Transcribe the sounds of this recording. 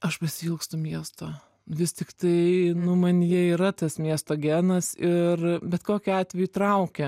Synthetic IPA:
ɐʃpɐsʲɪɪlˠkst̪ʊmʲiɛst̪oː | ʋʲɪst̪ʲɪkt̪ɐɪnʊmɐnʲjiɛiɾɐt̪ɐsmʲiɛst̪oːɡʲæːnɐsɪrbʲɛt̪koːkʲɪɑːt̪ʲʋʲɛjʊt̪ɾɐʊkʲɛ

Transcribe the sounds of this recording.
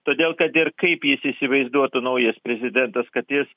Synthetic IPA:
t̪oːd̪ʲeːlˠkɐt̪ɪɾkɐɪpjɪsiːsʲɪʋɐɪzd̪uɔt̪ʊnɐʊjɛspʲɾʲɛzʲɪd̪ʲɛnt̪ɐskɐt̪jɪs

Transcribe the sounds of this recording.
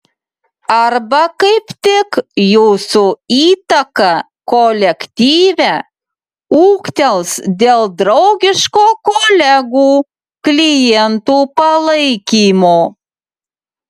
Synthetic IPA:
ɐrbɐkɐɪpt̪ʲɪkjuːsuiːt̪ɐkɐ | kolʲɛkt̪ʲiːʋʲæ | uːkt̪ʲɛlˠsd̪ʲeːlˠd̪ɾɐʊɡʲɪʃkoːkolʲæɡuː | klʲijɛnt̪uːpɐlˠɐɪkʲiːmoː

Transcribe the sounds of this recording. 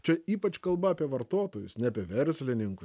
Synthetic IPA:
t͡ʃʲɛiːpɐt͡ʃkɐlˠbɐɐːpʲiɛʋɐɾt̪oːt̪oːjʊsnʲɛɐːpʲiɛʋʲɛɾʲsʲlʲɪnʲɪŋkʊ

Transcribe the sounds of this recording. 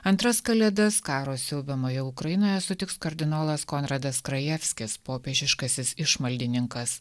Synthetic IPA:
ɐnt̪ɾɐskɐlʲɛd̪ɐskɑːɾoːsʲɪlˠbʲɛmoːjɛʊkɾɐjɪnoːjɛsʊt̪ʲɪkskɐɾʲd̪ʲɪnoːlˠɐskɔnɾɐd̪ɐskɾɐjɛfʲsʲkʲɪspoːpʲeːʒʲɪʃkɐsʲɪsɪʃmɐlʲd̪ʲɪnʲɪŋkɐs

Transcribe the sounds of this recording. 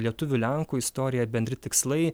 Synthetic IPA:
lʲiɛt̪ʊʋʲʊlʲɛŋkuːɪst̪ɔːɾʲɪjɛbʲɛnʲd̪ɾʲɪt̪ʲɪkslˠɐɪ

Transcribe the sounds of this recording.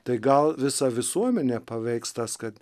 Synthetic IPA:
t̪ɐɪɡɐlˠʋʲɪsɑʋʲɪsuɔmʲɛnʲeːpɐʋʲɛɪkst̪ɐskɐt̪

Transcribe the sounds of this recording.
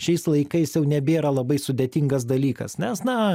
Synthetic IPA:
ʃʲɛɪslˠɐɪkɐɪsjɛʊnʲɛbʲeːɾɐlˠɐbɐɪsʊd̪ʲeːt̪ʲiŋɡɐs̬d̪ɐlʲiːkɐ̰snʲɛsnɐ

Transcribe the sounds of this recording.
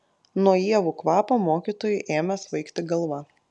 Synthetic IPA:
nuɔjiɛʋuːkʋɑːpoːmoːkʲit̪oːjʊʔeːmʲɛsʋɐɪkt̪ʲɪɡɐlˠʋɐ

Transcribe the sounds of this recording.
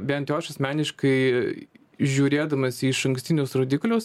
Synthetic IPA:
bʲɛnt̪ʲjoːʃɐsʲmʲæːnʲɪʃkɐɪ | ʒʲuːɾʲeːd̪ɐmɐsʲiːʃɐŋksʲt̪ʲɪnʲʊsɾoːd̪ʲɪklʲʊs

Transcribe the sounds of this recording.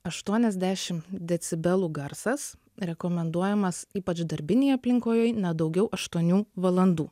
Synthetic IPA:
ɐʃt̪uɔnʲɛzʲd̪ʲæːʃʲɪmd̪ʲɛt̪sʲɪbʲɛlˠuːɡɐɾsɐs | ɾʲɛkoːmʲɛnd̪uɔjɛmɐsiːpɐt͡ʃd̪ɐɾʲbʲɪnʲɛːjɐpʲlʲɪŋkoːjoːjnʲɛd̪ɐʊɡʲɛʊʔɐʃt̪uɔnʲuːʋɐlˠɐnd̪uː

